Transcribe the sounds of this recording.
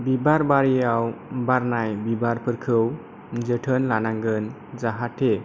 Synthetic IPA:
bibaɾbaɾjawbaɾnajbibaɾpʰəɾkʰəw | d͡ʒəʈʰənlanaŋɡən | zaɦaʈʰe

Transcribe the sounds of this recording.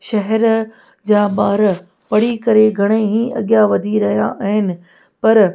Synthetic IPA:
ʃɐɦɛɾ | d͡ʑaːɓaːɾ | pɐɽ̤ikɐɾeɡʱɐɽ̃eɦĩːʔɐ̰ɠjaʋɐd̪ʱiɾɐɦja̰ʔɦɪnɪ̆ | pɐɾ

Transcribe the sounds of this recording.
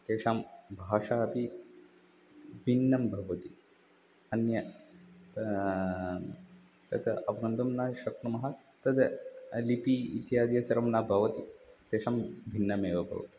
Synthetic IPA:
t̪eːʃaːmbʱaːʃaːɐpi | bʱinːɐmbʱɐʋɐt̪i | ɐnjɐ | t̪ɐt̪ʰɐɐʋɡɐnd̪ɐmnaʃɐkɳɐmɐɦa | t̪ɐt̪ʰɐlipiḭt̪jaːd̪ijɐsɐɾɐmnaːbʱɐʋɐt̪it̪eːʃaːmbʱinːɐmeːʋɐbʱɐ̰ʋɐ̰t̪i̥

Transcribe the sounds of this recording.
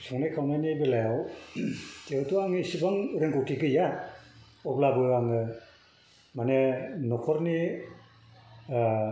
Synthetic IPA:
sɔŋnekʰawnajnibelajaw | teɯtuaŋɯsibaŋɾɯŋkɔwtʰiɡɯja | ɔblabɯaŋɯ | manenɔkʰɔɾni

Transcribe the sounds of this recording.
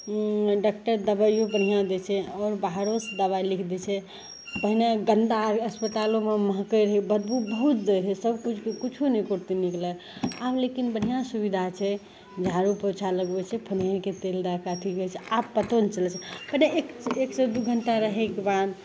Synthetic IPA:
ɖakʈəɾd̪əbajobən̤ijad̪ɛt͡ʃʰɛɔːɾbaɦɾosd̪əβailikʰd̪ɛt͡ʃʰɛ | pəɦineɡənd̪aɾəspət̪alõmeməɦkəjɾəɦibəd̪̚but̪̚bəɦut̪̚d̪əɾsəbkut͡ʃʰkekut͡ʃʰunəkoɾt̪iniklə | ablekinbəɽ̤ijãsubid̪ʱat͡ʃʰɛ | d͡ʒʱaɾupət͡ʃʰaləɡbɛt͡ʃʰɛpʰənenket̪eld̪akat̪ʰiɡət͡ʃʰɛabpət̪ont͡ʃəlt͡ʃʰɛpəɦneekeksed̪uɡʱəɳʈaɾəɦɛkebad̪

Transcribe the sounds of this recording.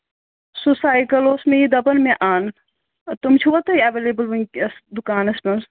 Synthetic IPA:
susaːjkɐloːsmẽjid̪ɐbɐnmẽʔaːn | t̪umt͡ʃʰuʋɐt̪ɐiɐʋeːleːbəlʋɐŋkɐsd̪ukaːnɐspɐns

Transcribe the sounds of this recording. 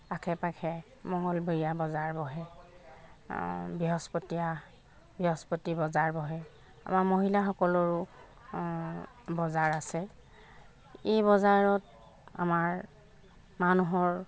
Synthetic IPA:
akʰɛpakʰɛ | mɔŋɔlbeɹijabɔzaɹbɔɦɛ | biɦɔspɔtija | biɦɔspɔtibɔzaɹbɔɦɛ | a̰maɹmoɦilaxɔkɔlɔɹʊ | bɔzaɹasɛ | ebɔzaɹɔt | a̰maɹ | manuɦɔɹ

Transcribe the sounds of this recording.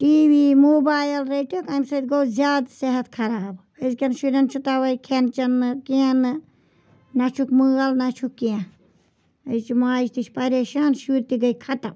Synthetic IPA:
ʈiːʋiːmoːbaːjɐlɾeʈikɐmsɐt̪ɡoːzʲjaːd̪seɦɐt̪kʰɐɾaːb | ɐzkʲɐnʃuɾʲɐnt͡ʃʰut̪aʋɐjkʰent͡ʃɐnɨkeanɨ | nɐt͡ʃʰukmɨːɣɐlnɐt͡ʃʰukːie | əzt͡ʃimaːd͡ʒt̪it͡ʃʰpɐɾeːʃaːnʃuːɾt̪iɡɐjkʰɐt̪ɐm

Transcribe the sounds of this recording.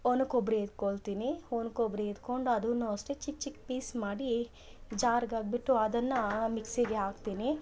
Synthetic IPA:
onukobɾed̪̚koɭt̪inionkobɾeid̪koɳɖuɐd̪unːosʈet͡ʃik̚t͡ʃikpiːsmaːɽi | d͡ʒaːɾɡaːɡ̚biʈːuɐd̪ɐnːɐmiksiɡeaːɡt̪iːni

